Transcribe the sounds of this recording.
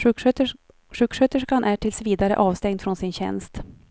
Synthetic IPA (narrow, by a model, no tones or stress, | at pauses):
ʂʉ̟ːkʂøːt̪əʂkanʔæʈʰɪlsviːd̪aɾə̰ʔɑːvst̪ɛŋd̪fɾɔnsɪnɕɛ̰nst̪